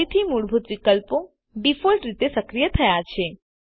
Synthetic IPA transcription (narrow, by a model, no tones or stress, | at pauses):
it̪ʰimuɽbʱut̪ʋikəlpo | ɖifolʈɾit̪esəkɾijət̪ʰəjat͡ʃʰe